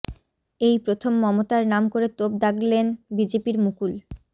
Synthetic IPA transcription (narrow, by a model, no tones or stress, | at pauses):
ejpɾot̪ʰomːɔmot̪aɾnamkoɾet̪ob̚d̪aklenbid͡ʑepiɾmukul